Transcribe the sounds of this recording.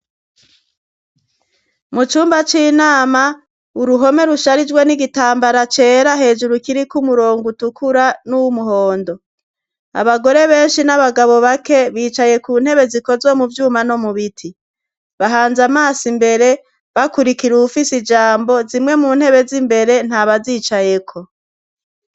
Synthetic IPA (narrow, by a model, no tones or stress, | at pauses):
mut͡ʃuːmbat͡ʃiːnaːma | uɾuɦo̞me̞ɾuʃaɾid͡ʒɡwe̞niɡitaːmbaɾat͡ʃe̞ːɾaɦe̞ːd͡ʒuɾukiɾikumuɾo̞ːŋɡutukʰuɾanuwumuɦo̞ːndo̞ | a̰βaɡo̞ɾe̞βe̞ːnʃinaβaɡaβo̞βake̞βiːt͡ʃaje̞kuːnhe̞βe̞ziko̞zwo̞muvjuːmano̞muβitʰi | βaɦaːnzamaːsimbe̞ɾe̞ | βakuɾikiɾuufisid͡ʒaːmbo̞zimŋe̞muːn̥he̞βe̞zimbe̞ɾe̞n̥haːβaziːt͡ʃajekʰo̞